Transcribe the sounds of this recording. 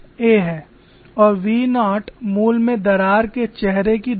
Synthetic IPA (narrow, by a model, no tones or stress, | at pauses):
eːɦɛː | ɔːɾʋiːnaːʈmuːlmẽd̪ɐɾaːɾket͡ʃɛɦɾekid̪